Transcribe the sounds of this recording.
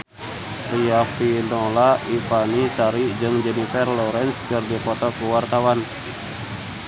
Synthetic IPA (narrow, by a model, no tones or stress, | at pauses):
riafinɔlaifanisaɾid͡ʒɨŋd͡ʒɛnifɛrlɔɾɛnskɨrdipɔt̪ɔkuwart̪awan